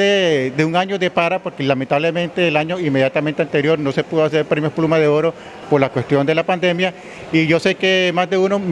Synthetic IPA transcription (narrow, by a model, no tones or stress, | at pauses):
ed̪euŋaɲo̞ðe̞paɾapo̞ɾkelament̪aβlemẽnt̪eːlaɲo̞imejat̪amẽnt̪eant̪e̞ɾjo̞ɾno̞sepuðoas̬e̞ɾpɾemjoplumaðeoɾo̞ | poɾlakwe̞st̪jo̞nd̪elapand̪e̞mja | iʝo̞se̞kemazd̪e̞unom